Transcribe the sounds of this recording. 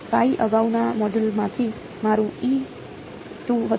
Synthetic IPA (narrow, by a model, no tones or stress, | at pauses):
kajʔʌɡawnamʌɖulmat̪ʰi | maɾui | ʈuɦʌ